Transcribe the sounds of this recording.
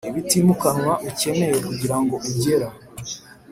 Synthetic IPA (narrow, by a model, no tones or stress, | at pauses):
iβitimukanŋwaʔuce̞me̞jekuɟiɾaŋɡo̞ʔuɟe̞ɾa